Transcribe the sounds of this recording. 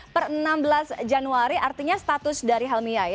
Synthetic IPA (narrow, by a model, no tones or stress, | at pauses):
pərənambəlasd͡ʒanuaɾiʔart̪iɲast̪at̪ʊsdaɾiɦalmiaj